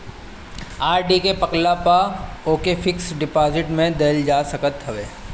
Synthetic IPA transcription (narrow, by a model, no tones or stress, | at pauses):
aːɾɖikepɐklapaoːkefɪksɖɪpaːzɪʈmẽd̪eːld͡ʒaːsɐkət̪ɦɐʋeː